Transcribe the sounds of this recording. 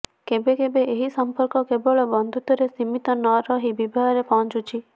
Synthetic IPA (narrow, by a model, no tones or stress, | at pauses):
kebekebeʔeɦisɔmpɔɾkɔkebɔɭɔbɔnd̪ʱut̪ɔɾesimit̪ɔnɔɾɔɦibibʱaɦɔɾepɔɦɔ̃nt͡ʃut͡ʃʰi